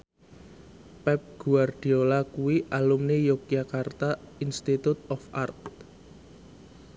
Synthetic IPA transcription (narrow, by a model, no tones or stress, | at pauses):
pɛp̚ɡ̥uard̪̥iolakuwiʔalumnejokiakart̪ainst̪it̪ut̪ɔfʔart̪̚